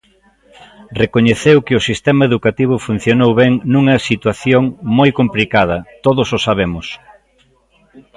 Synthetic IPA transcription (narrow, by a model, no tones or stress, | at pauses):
rekoɲeθewkɪʊsist̪ɛmɐeðukat̪iβ̞ʊfun̟θjonowβeŋnuŋɐsit̪waθjoŋmojkomplikað̞ɐt̪oðʊsosaβemʊs